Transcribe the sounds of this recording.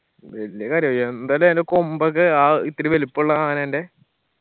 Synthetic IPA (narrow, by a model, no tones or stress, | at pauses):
ʋeljɐkaːɾjɐmːeend̪alɐmendekombɐk̬ːɨaːit̪ːiɾiʋelipːuɭːɐaːnende